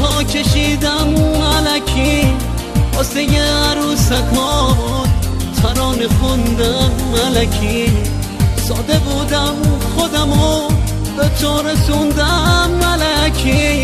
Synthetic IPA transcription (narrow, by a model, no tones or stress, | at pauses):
tʰɔːkʲʰeʃid̪æmælækʰi | ɔːsejeɾusakʰɔː | t̪ʰaɾɔːnexund̪amalakʰi | sɔːd̪ebud̪æmxod̪amo | bet͡ʃʰɔːɾesund̪amːalækʲʰi